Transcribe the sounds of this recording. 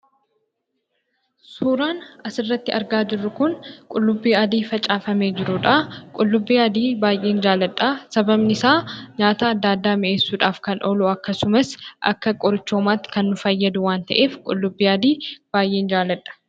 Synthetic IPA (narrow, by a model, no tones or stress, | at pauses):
suːɾaːnɐsɪrːɐt̪ːɪɐɾɡaːd͡ʒɪrːʊkʊnkʼʊlːʊbːiːɐd̪iːfɐt͡ʃʼaːfɐme̞ːd͡ʒɪɾʊᶑaːkʼʊlːʊbːiːɐd̪iːbaːjʔːe̞ːnd͡ʒaːlɐᶑaːsɐbɐbnɪɪsaːɲaːt̪aːɐd̪ːaːd̪ːaːmɪʔeːsːuːᶑaːfkɐnʔoːlʊɐkːɐsʊmɐsʔɐ̰kːɐkʼɔɾɪt͡ʃːo̞ːmaːt̪ːɪ̥kɐnːʊfɐjːɐd̪ʊwaːnt̪ɐ̰ʔe̞ːfkʼʊ̰lːʊbːiːɐd̪iːb̥aːjʔe̞ːnd͡ʒaːlɐᶑɐ̥